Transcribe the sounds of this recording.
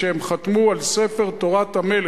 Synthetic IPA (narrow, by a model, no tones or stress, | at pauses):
ehemχat̪mualsefeʁt̪o̞ʁat̪hamel